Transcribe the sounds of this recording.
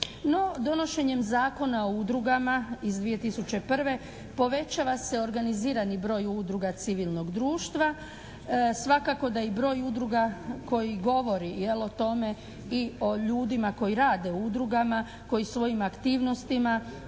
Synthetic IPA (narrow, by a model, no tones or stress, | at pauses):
no̞d̪o̞no̞ʃe̞ɲe̞mzaːko̞naoud̪ɾuɡamaizd̪ʋije̞t̪isut͡ɕe̞pr̩ʋe̞ | po̞ʋe̞t͡ɕaːʋase̞o̞ɾɡaniziːɾanibɾo̞ːjud̪ɾuɡat̪siʋilˠno̞ɡd̪ɾuːʃt̪ʋa | sʋakako̞d̪ajebɾo̞ːjud̪ɾuɡako̞jiɡo̞ʋo̞ɾijelot̪o̞me̞ | io̞ʎuːd̪imako̞jiɾaːd̪e̞ud̪ɾuɡama | ko̞jisʋo̞jimakt̪iːʋno̞st̪ima